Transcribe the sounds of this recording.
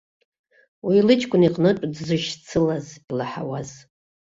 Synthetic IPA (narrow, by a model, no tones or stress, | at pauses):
wilɨt͡ʃʼkʷʼʊniqʼnɨʈ͡ʂʷʼdzɨʃt͡sʰɨlazilaħa̰waz̥